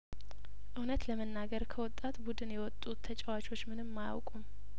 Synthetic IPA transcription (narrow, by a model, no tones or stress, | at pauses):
ʔɨhnət̪ləmənːaɡəɾkʰəwɔt̪ʼːat̪bud̪ɨnjɛwɔt̪ʼːut̪ʰːət͡ʃʼɛwat͡ʃʰʼo̞t͡ʃːmɨnɨmːaja̰wkʼum